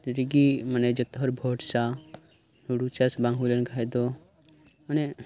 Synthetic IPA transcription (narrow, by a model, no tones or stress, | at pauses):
ɾiɡimɐned͡ʒət̪ɦɔɾbʱoːʈsa | nuɽut͡ʃasbãŋɡʱulənɡʱajd̪o | məne